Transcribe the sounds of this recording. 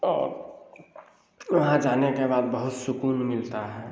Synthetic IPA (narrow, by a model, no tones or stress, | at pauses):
ɔːɾ | ʋɐɦãd͡ʒaːnekebaːd̪̚bəɦʊt̪sʊkuːnmɪlt̪aɦɛː